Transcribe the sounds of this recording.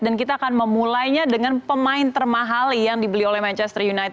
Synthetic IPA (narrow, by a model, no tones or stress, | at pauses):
dankit̪aːkanməmulajɲadəŋanpəmaɪnt̪ərmaɦaljaŋdibəliolɛhmant͡ʃɛst̪ərjunajt̪